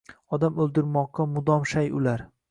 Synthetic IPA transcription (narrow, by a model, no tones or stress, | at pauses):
ɒd̪amɵlˠd̪ɪɾmɒqːɑmʊd̪ɒmʃajʊ̰laɾ